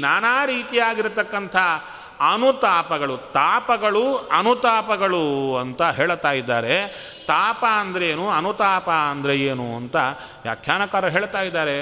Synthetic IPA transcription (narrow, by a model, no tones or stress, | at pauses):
naːnaːɾiːt̪ijaːɡiɾt̪ɐkːɐnt̪ʰɐ | ɐnut̪aːpɐɡɐɭut̪aːpɐɡɐɭuɐnut̪aːpɐɡɐɭuɐnt̪ɐɦeːɭt̪aːjid̪ːaːɾe̞ | t̪aːpɐɐnd̪ɐɾeːnuɐnut̪aːpɐɐnd̪ɐɾeeːnuɐnt̪ɐ | ja̰ːkʰjaːnɐkaːɾɐɦeːɭt̪aːjid̪ːaːɾe̞